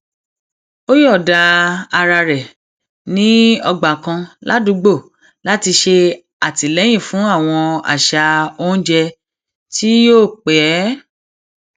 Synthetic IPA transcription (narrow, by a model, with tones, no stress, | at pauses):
o˦jɔ˦˨da˧a˧ɾa˧ɾɛ˨ | nĩ˦ɔ˧ɡ͡ba˨kã˧la˦dũ˧˦ɡ͡bo˦˨ | la˨˦ti˧ʃe˧ | a˨ti˨lɛ˨˦j̃ĩ˦˨fũ˨˦a˦˨w̃ɔ̃˧a̰˨ʃa˧õ˦d͡ʒɛ˧ | ti˦joː˦˨k͡pɛ˨˦